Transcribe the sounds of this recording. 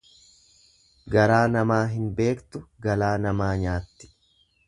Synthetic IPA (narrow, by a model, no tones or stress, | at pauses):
ɡɐɾaːnɐmaːɦɪnbe̞ːkt̪ʊɡɐlaːnɐmaːɲaːt̪ːɪ̥